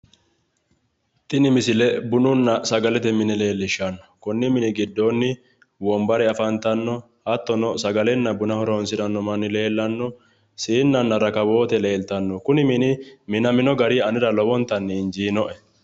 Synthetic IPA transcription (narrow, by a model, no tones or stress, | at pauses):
t̪ɪnɪmɪsɪlɛbʊnʊnːɐsɐɡɐlɛt̪ɛmɪnɪle̞ːlːɪʃɐnːɔ̥kʊnːɪmɪnɪɡɪd̪ːo̞ːnːɪ | wɔmbɐɾɛɐfɐnt̪ɐnːɔ | hɐt̪ːɔnɔsɐɡɐlɛnːɐbʊnɐhɔɾoːnsɪɾɐnːɔmɐnːɪle̞ːlːɐnːɔ | siːnːɐnːɐɾɐkɐbo̞ːt̪ɛle̞ːlt̪ɐnːɔkʊnɪmɪnɪmɪnɐmɪnɔɡɐɾiːɐnɪɾɐlɔwɔnt̪ːɐnːɛɪnd͡ʒiːnɔʔɛ